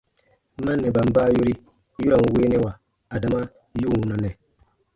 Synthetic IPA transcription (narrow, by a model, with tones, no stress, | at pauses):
ma˦nːɛ˨ba˨m˦baː˦˨jo˦ɾi˦ | ju˦ɾa˨ŋu˨we˦nɛ˦wa˨ | a˨da˨ma˦ | ju˦˨wu˨na˨nɛ˨